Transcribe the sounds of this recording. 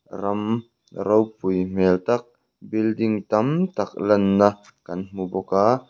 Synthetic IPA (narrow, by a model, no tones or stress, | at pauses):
rɐm | ɾɐwpʊjm̥ɛlt̪ɐk̚ | bildiŋt̪ɐmt̪ɐk̚lɐnːɐ | kɐnm̥ubɔkaː